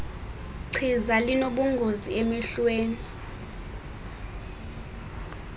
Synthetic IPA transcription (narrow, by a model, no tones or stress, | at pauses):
ǀʰizalinoɓuŋɡʱoziemiɬweːni